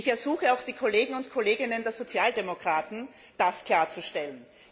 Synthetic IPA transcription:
ɪçɛɐz̥uːxəaʊxd̥iːkʰoleːɡŋ̩ʊntkʰoleːɡɪnəndeːɐzot͡sjaːldemokʁ̥aːtn̩ | d̥askʰl̥aːɐt͡suʃtɛlən

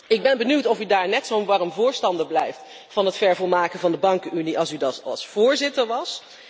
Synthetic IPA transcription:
ɪɡ̚bɛnbənywtɔfydaːɹnɛtsownʋɑrəmvʊːɹstɑndəblɛjft | fɑnɦətfɛɹvɔlˠmaːkəvɑndəbɑŋkəyniʔɑlˠsydɑtɑ̰lˠsfʊːɹzɪtəɹʋɑs

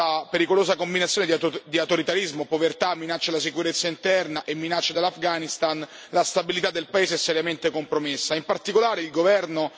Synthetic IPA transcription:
apeɾikoloːsakombinat̪sːjoːned̪d̪iawt̪oɾit̪aɾizmopovert̪amːinat͡ʃːalasikuɾet̪sːaint̪ɛrnaʔemːinat͡ʃːad̪elːafɡanist̪an | last̪abilit̪ad̪ːelpaeːzeɛsːɛɾjament̪ekompɾomesːaimpart̪ikolaːɾeilɡovɛrno

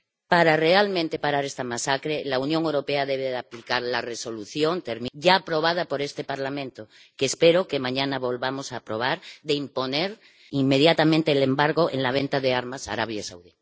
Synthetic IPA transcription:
paɾare̞almẽnt̪e̞paɾaɾest̪amasakɾelaunjoŋewɾo̞peaðeβeðaplikaɾlareso̞luθjo̞nt̪eɾmiɟ͡ʝaːpɾo̞β̞að̞apo̞ɾe̞st̪epaɾlamẽnt̪o | keːspeɾoke̞mãɲanaβo̞lβamosaːpɾo̞β̞aɾðeimpo̞neɾ | imːe̞ð̞jat̪amẽnt̪eːlembaɾɣo̞ʔḛnlaβ̞ẽnt̪aðeaɾmasa̰ɾa̰β̞jasa̰wði

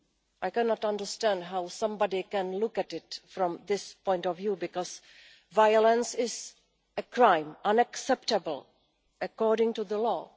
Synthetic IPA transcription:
ʔaɪkɛnɔtʌ̃ndə˞stæ̃ndɦaʊsʌ̃mbɑdikæ̃nlʊkætɪtfɾɔ̃md̪ɪspɔ̃ɪ̃ntɔvjubɪkɔz̥ | vaɪələ̃nsɪz | ɨkɹãɪ̃mʔʌ̃nəksɛp̚təbəl̩ˠ | əkɔɹɾɪ̃ŋʈuðəlɔ̰

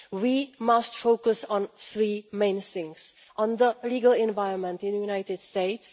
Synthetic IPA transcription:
wimastfoʊkʊsɔ̃nθɹiːmẽɪnsɪ̃ŋs | ʔɔ̃nðəliːɡəlɛ̃nvaɪɹə̃nmɛ̃ntɪ̃njunaɪtɪdsteɪts

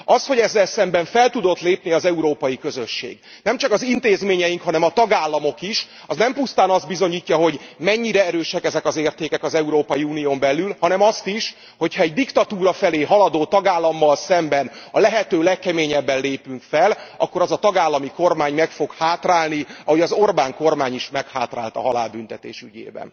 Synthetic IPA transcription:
ɒsho̞ɟɛzːɛlsɛmbɛɱfɛlt̪ud̪o̞t̪leːpniɒzɛuɾoːpɒjikø̞zø̞ʃːḛːɡ | nɛmt͡ʃɒkɒzint̪eːzmeːɲɛjiŋkhɒnɛmɒt̪ɒɡaːlːɒmo̞kiʃ | ɒ̰znɛmpust̪aːnɒzd̪̚bizo̞ɲiːcːɒɦo̞ɟmɛɲːiɾɛɛɾøːʃɛkɛzɛkɒzeːrt̪eːkɛkɒzɛuɾoːpɒjiuːnijoːmbɛlːylhɒnɛmɒst̪iʃ | ho̞chɒɛɟd̪ikt̪ɒt̪uːɾɒfɛleːɦɒlɒd̪oːt̪ɒɡaːlːɒmːɒlsɛmbɛnɒ̰lɛɦɛt̪øːlɛkːɛmeːɲɛbːɛnleːpyŋkfɛlʔɒ̰kːo̞ɾɒzɒt̪ɒɡaːlːɒmiko̞rmaːɲmɛkfo̞khaːt̪raːlniɒhojɒzo̞rbaːŋko̞rmaːɲiʃmɛkhaːt̪ra̰ːlt̪ɒ̰ɦɒla̰ːlbyn̪t̪ɛt̪ḛːʃy̰ɟḛːbɛ̰n

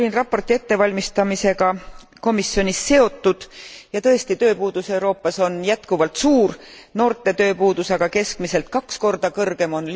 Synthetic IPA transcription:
lʲinrɑpːˑo̞rt̪ie̞t̪ːe̞vɑlʲmist̪ɑmise̞ɡ̥ɑ | ko̞misːjo̞nʲisːe̞o̞t̪ːˑud̪̥jɑt̪ɤ̞e̞st̪it̪ø̞ːpuːd̪̥use̞wɾo̞ːpˑːɑso̞njæt̪kuvɑlt̪suːrno̞ːrt̪ːˑe̞t̪øːpuːd̪usɑɡ̥ɑke̞skmise̞lt̪̚kɑksko̞rd̪̥ɑkɤrɡ̥e̞mo̞nl

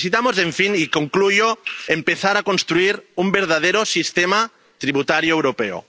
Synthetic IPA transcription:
sit̪amozeɱfinikoŋklujoempeθaɾakonst̪ɾuiɾumbeɾð̞að̞eɾosist̪ema | t̪ɾiβut̪aɾjoewɾopeo̰

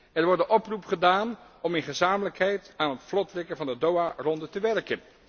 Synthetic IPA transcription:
ɛɹʋɔɹdəʔɔprupχədaːn | ɔmɪnχəzaːmələkɦɛjtaːnɦətflɔtrɪkənvɑndədowarɔndətəʋɛɹkən

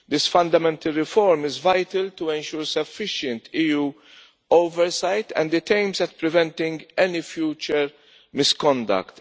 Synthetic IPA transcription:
d̪ɪsfɐ̃nd̪ɐmɛ̃nt̪ɐlɾɪfɔɾmɪzvajt̪əlt̪uɛ̃nʃuːɾsɐfːɪʃə̃nt̪ʰiːjuː | oʊvɛɾsajt̪ʰɛ̰̃nd̪ɪt̪ẽɪ̃mzɛt̪̚pɾɪvɛ̃nt̪ɪ̃ŋɡɛnifjuːt͡ʃəɾ | mɪskɔ̃nd̪ɐ̰kt̪

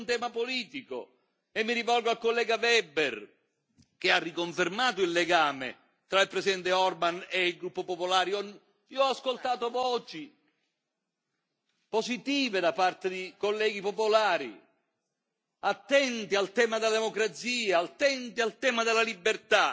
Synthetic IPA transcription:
nt̪ɛːmapoliːt̪iko̰ | emːiɾivɔlɡoalkolːɛːɡavɛber | k̟earːikoɱfermaːt̪ʊilːeɡaːmḛ | t̪ɾailpɾesid̪ɛnt̪eɔrbaneilɡɾupːopopolaːɾiɔn | iɔaskolt̪aːt̪ovɔːt͡ʃi | posit̪iːved̪apart̪ed̪ikolːɛːɡipopolaːɾḭ | at̪ːɛnt̪ialt̪ɛːmad̪elad̪emokɾat̪siːaːlt̪ɛnt̪ialt̪ɛːmad̪elːalibːert̪a

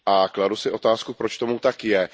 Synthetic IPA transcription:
ʔakladusɪʔo̞t̪aːskupɾot͡ʃt̪o̞mut̪akjɛ

